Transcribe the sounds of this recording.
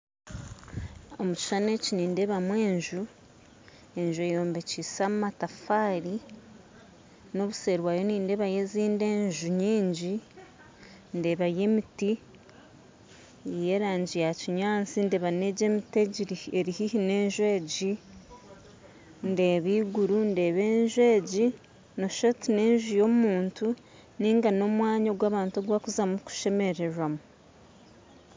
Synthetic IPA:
o̞muci̥ʃane̞ciniːnde̞βamwe̞ːɲʒu | e̞ɲʒuejo̞ːmbe̞cisamumatafaːɾi | no̞βuse̞ːɾwajo̞niːnde̞βaje̞ziːnde̞ːɲʒuɲiːɲɟi | nde̞βaje̞miti | je̞ɾaːɲɟijaciɲaːnt͡sinde̞ːβane̞ɟe̞ːmiteɟiɾieɾihihine̞ːɲʒwe̞ːɟi | nde̞ːβiːɡuɾunde̞ːβe̞ːɲʒwe̞ːɟi | noʃotine̞ːɲʒujo̞muːntu | niːŋɡano̞mwaːɲoɡwaːβaːntoɡwakuzamuku̥ʃe̞me̞ɾe̞ɾwamu

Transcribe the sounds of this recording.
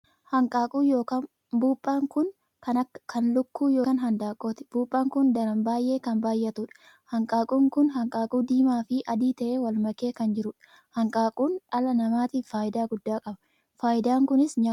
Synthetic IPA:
hɐŋkʼaːkʼuːjo̞ːkaːn | buːpʼːaːŋkʊn | kɐnɐkːɐ̥kɐnlʊkːuːjoːɐnɦɐnd̪aːkʼoːt̪ɪ̥b̥uːpʼːaːŋkʊnd̪ɐɾɐmbaːjʔe̞ːkɐnbaːjʔɐt̪ʊᶑɐ̥ | hɐŋkʼaːkʼuːŋkʊnɦɐŋkʼaːkʼuːd̪iːmaːfɪʔɐd̪iːt̪ɐʔeːwɐlmɐke̞ːkɐnd͡ʒɪɾʊᶑ | hɐŋkʼaːkʼuːnᶑɐlɐnɐmaːt̪iːfaːjɪd̪aːɡʊd̪ːaːkʼɐbɐ | faːjɪd̪aːŋkʊnɪsɲɐ

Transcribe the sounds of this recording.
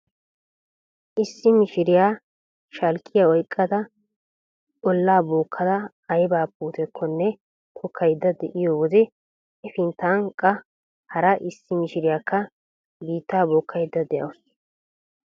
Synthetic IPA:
ʔɪsːɪmɪʃɪɾɪjaː | ʃɐlkʼːɪjaɔjkʼːɐd̪ɐ | ɔlːaːboːkʰːɐd̪ɐ | ɐjbaːpuːt̪ɛkʰːɔnːɛ | t̪ʰɔkʰːɐjd̪ːɐd̪ɛʔɪjɔwɔd̪ɛ | ɛfɪnt̪aːŋkʼːɐ | hɐɾɐʔɪsːɪmɪʃɪɾɪjaːkʰːɐ | biːt̪ːaːboːkːɐjd̪ːɐd̪ɛʔɐ̰ws

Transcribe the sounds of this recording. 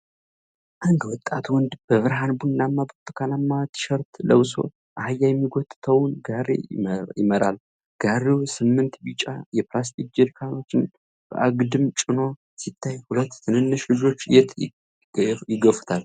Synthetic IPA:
ʔand̪wɔt̪ʼːat̪wɔnd̪b̥əβɨɾɦanbunːamːabət̪ʼːɨkʰanamːat̪ʰɨ̥ʃəɾt̪ləwso̞̰ | ʔahajːajɛmːiɡɔt̪ʼːɨ̥t̪ʰəwnɡaɾḛjɪməɾa̰l | ɡ̥aɾewsɨmːɨnt̪bit͡ʃʼa̰jɛplas̬t̪ʰik̚d͡ʒiɾkʰano̞t͡ʃːɪn | b̥ə̰ʔaɡd̪ɨmt͡ʃʼɪno̞ | sit̪ʰːajhulət̪ːt̪ʰɨnɨnːɨʃlɨd͡ʒo̞t͡ʃːjɛt̪ | jɪɡəfu̥t̪ʰal

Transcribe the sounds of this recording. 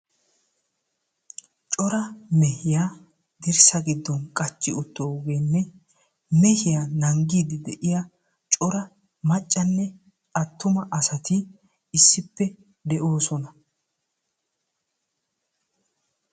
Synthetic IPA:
t͡ʃʼɔɾɐmɛhɪjaː | d̪ɪɾsɐɡɪd̪ːɔnkʼɐt͡ʃʼːɪʊt̪ːoɡeːnːɛ | mɛhɪjanɐŋɡiːd̪ɪd̪ɛʔɪja | t͡ʃʼɔɾɐ | mɐt͡ʃʼːɐnːɛ | ɐt̪ːʊmɐʔɐsɐt̪ɪ | ɪsːɪpːɛ | d̪ɛʔo̞ːsɔnɐ

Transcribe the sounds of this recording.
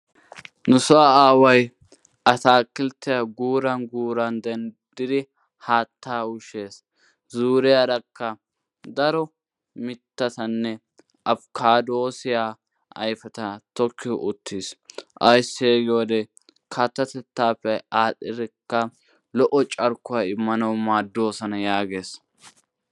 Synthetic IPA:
nʊsʊwaaːwɐj | ʔɐt̪aːkːɪlt̪ːɪjaɡuːɾɐnɡuːɾɐnd̪ɛnd̪̥ɪd̪ɪ | haːt̪ːaːʊʃe̞ːs | zuːɾɪjad̪ɐkːɐ | d̪ɐɾɔ | mɪt̪ːɐt̪ɐnːɛ | ʔɐbkʰaːd̪oːsɪjaː | ɐjfɛt̪ɐt̪ɔkːɪʔʊt̪ːiːsʔɐjsːeːɡɪwɔd̪ɛ | kʰɐt̪ːɐt̪ɛt̪ːaːpːɛaːtːɪɾɛkːɐ | lɔʔɔt͡ʃʼɐɾkːʊjɐɪmːɐnɐwmaːd̪ːo̞ːsɐnɐjaːɡe̞ːs

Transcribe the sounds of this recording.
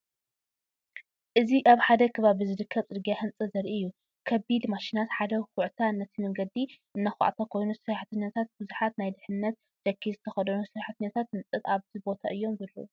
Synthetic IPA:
ʔɨziʔaβħad̪ɐkʰɨβaβɨzɨɾɨkʰːɐβt͡sʼɨd̪ɡjahɨnt͡sʼɨzɐɾʔiɨjːu | kʰɐbid̪maʃinat̪ħad̪ɐxʊʕt̪ʰanɐt̪ʰimɐŋɡɐd̪iʔɨnːaxʊ̰ʕat̪ʰakʰo̞jnusɨɾaħt̪ʰɨnːɐt̪ʰat̪̚bɨzuħat̪najd̪ɨħɨnːɐt̪̚ | ʃɐkʰːizɨt̪ʰɐxɐd̪ɐnusɨɾaħt̪ɨnːɐt̪ʰat̪hɨnt͡sʼɨt̪aβzibo̞t̪ʰaʔɨjːo̞mzɐlːo̰ʔu

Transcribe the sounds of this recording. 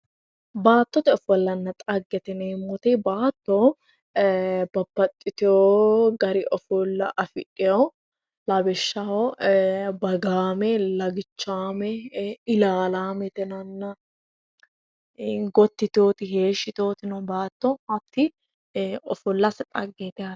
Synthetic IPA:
baːt̪ːɔt̪ɛɔfɔlːɐnːɐt̪ʼɐɡːɛt̪ɛneːmɔt̪ɛbaːt̪ːo | bɐbːɐt̪ʼːɪt̪ɪoːɡɐɾɪʔɔfɔlːɐʔɐfɪʔɪjɐ | lɐbɛʃːao | bɐɡaːmɛlɐɡɪt͡ʃːaːmɛɪlaːlaːmɛt̪ɛnɐnːɐ | ɡɔt̪ːɪt̪oːt̪ɪheːʃːɪt̪oːt̪ɪnɔbaːt̪ːɔɐt̪ːɪ | ɔfɔlːɐsɛt̪ʼɐɡːet̪ɛɐ

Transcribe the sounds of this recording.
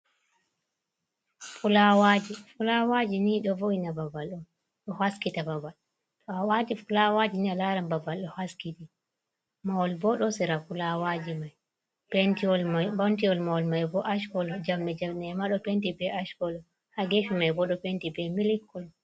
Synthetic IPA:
fulawad͡ʒifulawad͡ʒiniɗɔvoinababalɗɔ | ɗɔhaskitababal | tɔawatifulawad͡ʒinialaɾambabalɗɔhaskiɗi | mawɔlbɔɗɔsɛɾafulawad͡ʒimaj | pentiɔlmabɔntiɔlmawɔlmajbɔʔaʃkɔlɔd͡ʒamɗɛd͡ʒamnɛmaɗɔpentibɛʔaʃkɔlɔ | haɡefimajbɔɗɔpentibɛmilikːɔl

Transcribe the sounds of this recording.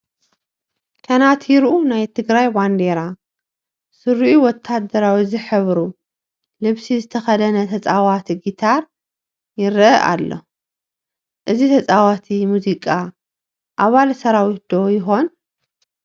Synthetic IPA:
kʰɐnat̪ʰjɪɾʔunajt̪ʰɨɡɾajband̪eɾa | sɨɾiʔuwɔt̪ʰːad̪ɐɾawizɨħɨβɾu | lɨβsizɨt̪ʰɐxɐd̪ɐnɐt̪ʰɐt͡sʼawat̪ʰiɡit̪ʰaɾ | jɪɾʔɐʔa̰lːo̞̰ | ʔɨzit̪ʰɐt͡sʼawat̪ʰimuzikʼa | ʔaβalsɐɾawit̪̚d̪̥o̞jɪxo̞n

